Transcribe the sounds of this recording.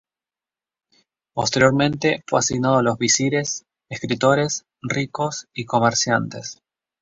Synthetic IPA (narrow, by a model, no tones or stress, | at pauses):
post̪eɾjo̞ɾmẽ̞nt̪e̞fweasiɣnað̞olo̞zβisiɾe̞s | eskɾit̪o̞ɾe̞s | riko̞siko̞meɾsjant̪es